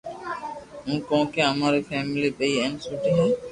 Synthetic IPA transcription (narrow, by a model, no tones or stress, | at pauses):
ũkɔw̃keamaɾefɛmilibejɛnsuʈiɦɛ